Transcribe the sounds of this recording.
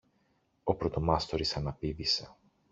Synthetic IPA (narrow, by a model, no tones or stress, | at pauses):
o̞pɾot̪omɐst̪o̞ɾisɐnɐpivise̥